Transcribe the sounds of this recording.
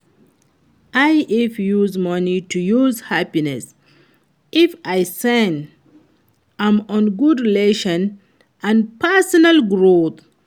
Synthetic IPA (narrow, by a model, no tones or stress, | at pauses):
ʔajifjuzmʌnitujuzhapinɛs | ʔifajsɛ̃n | ãmɔ̃nɡudɹileʃɔ̃n | ʔãnpʰɛsɔnalɡɹot̪